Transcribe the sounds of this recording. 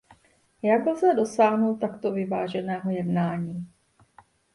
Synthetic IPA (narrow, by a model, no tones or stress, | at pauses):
jaɡlzɛdo̞saːɦnult̪akt̪o̞vɪvaːʒɛnɛːɦo̞jɛdnaːɲiː